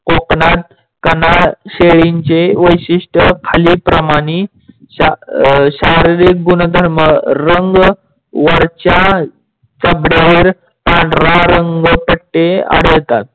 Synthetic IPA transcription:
koknat̪̚ | kənaɕeɭiɲt͡ɕeʋəjɕiʂʈəkʰaliːpɾəmaɽ̃i | aɕaɾiɾik̚ɡunəd̪ʱəɾməɾəŋɡ | ʋəɾt͡ɕa | t͡səbɽeʋeɾ | pãɳɖʱɾaɾəŋɡpəʈːea̰ɽ̤ət̪at̪̚

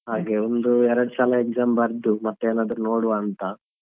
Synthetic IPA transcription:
ɦaːɡe̞ond̪uɛɾɐɽusaːlɐekzaːmbɐɾd̪umɐt̪ːeːnaːd̪ɐɾuno̞ːɽuʋaːnt̪ɐ

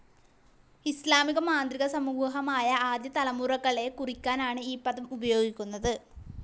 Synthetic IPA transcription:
islaːmiɣɐmaːnd̪riɣɐsɐmuːɦɐmaːjɐaːd̪jɐt̪ɐlɐmuːrɐkːɐɭe̞kurikʲːaːnaːɳɨiːpːɐðɐmubɐjo̞ːɡikʲːunːɐðɨ

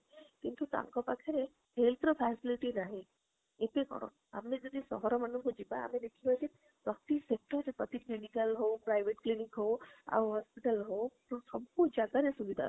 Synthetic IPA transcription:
kint̪ut̪a̰ŋkɔpakʰeɾe | ɦelt̪ʰɾɔpʰɛsiliʈinaɦẽ | et̪ekɔ̰ɽ̃ɔ̰ | a̰mẽd͡ʒɔd̪ʱisɔ̰ɦɔɾɔmanuŋkod͡ʒibaa̰med̪ekʰibɔjk̪i | sɔt̪isek̚ʈɔɾepɔt̪iklinikəlɦopɾajbeʈklinikɦoa̰ɦɔspiʈəlɦot̪osɔb̚kod͡ʒaɡ̪aɾesubid̪ʱa̰

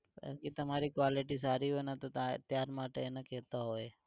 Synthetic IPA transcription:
pa̰kit̪əmaɾikʋaliʈisaɾiɦojnat̪ot̪at̪jaɾmaʈeenakɛt̪aɦoj

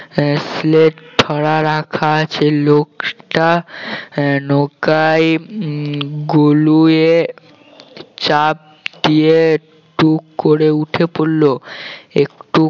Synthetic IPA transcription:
sleʈʈʰːɔɽaɾakʰat͡ɕʰelokʈa | nokaj | ɡolue | t͡ɕap̚d̪ie | ʈukkːoɾeuʈʰepolːoekʈu

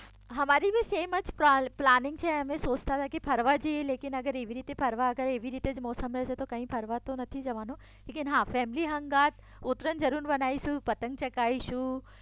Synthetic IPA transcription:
ɦɐmaːɾibiseːmɐt͡ʃpɾaplaːnɪ̃ŋɡ̚t͡ʃʰɛɐmẽsoːt͡ʃt̪at̪ʰakipʰɐɾʋad͡ʒieleːkɪnɐɡəɾeːʋiɾiːt̪epʰɐɾʋaɐɡəɾeːʋiɾiːt̪ed͡ʒmɔːsəmɾɛɦset̪okɐɦĩːpʰɐɾʋat̪onɐt̪ʰid͡ʒɐʋaːno | leːkɪnɦãfɛːmliɦɐ̃ŋɡaːt̪̚ | ʊt̪ɾənd͡ʒɐɾuːnbɐnaːisũːpɐt̪ə̃ŋɡ̚t͡ʃɐkaːiʃũː

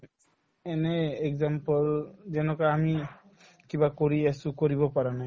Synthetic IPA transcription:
ɛneekzampɔlzɛnɔkaami | kibakoɹiɛsukoɹibɔpaɹanaj

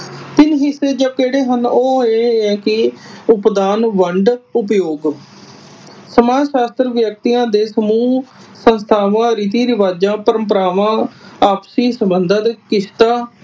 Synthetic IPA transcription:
t̪ɪnɦɪsːeːd͡ʒəkeːɽeːɦənoːeːɛ̃ːkɪʊpd̪aːnʋəɳɖʊpjoːɡ | səmaːʃaːst̪ɾəʋjək̚t̪ijãːd̪eːsəmuːsənst̪ʰaːʋãːɾiːt̪̬iːɾɪʋaːd͡ʒãːpəɾə̃mpəɾaːʋãːaːpsiːsəmbənd̪ət̪kɪʃt̪aː

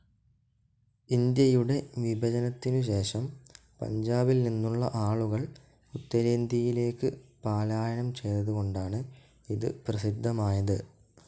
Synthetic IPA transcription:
ind̪jɐjuɽe̞ʋibʱɐd͡ʑɐnɐt̪ːinuɕ̬e̞ːʂɐm | pɐ̰ɲd͡ʑaːbilninːuɭːɐʔaːɭuɣɐɭ | ut̪ːɐɾeːnd̪ijile̞ːkːɨpaːlaːjɐɳɐmt͡ɕe̞jt̪ːɐðuɣo̞ɳɖaːɳɨ | iðɨprɐsid̪ʱːɐmaːjɐðɨ

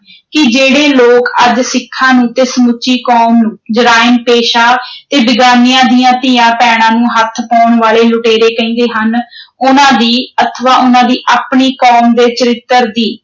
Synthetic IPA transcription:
kɪd͡ʒeːɽeːloːkəd͡ʒsɪkʰːãːnũːt̪esmʊt͡ʃːiːkɔːmnũːd͡ʒəɾaːɪənpeːʃaːt̪eːbɪɡaːnɪjãːd̪ijãːt̪iːãːpɛːɽ̃ãːnũːɦət̪ʰpɔːɳʋaːleːlʊʈeːɾeːkəĩːd̪eːɦənʊnãːd̪iːət̪ʰʋaːʔʊnãːd̪iːʔaːpɳiːkoːmd̪eːt͡ʃəɾɪt̪ːəɾd̪iː

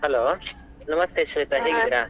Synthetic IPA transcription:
hɐloː | nɐmɐst̪eʃʋet̪aɦeːɡid̪iɾaː

